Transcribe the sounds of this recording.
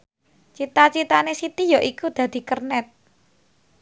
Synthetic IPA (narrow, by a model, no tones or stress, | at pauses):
t͡ʃit̪at͡ʃit̪anesit̪ijɔʔikud̪̥ä̤d̪̥i̤kərnɛt̪̚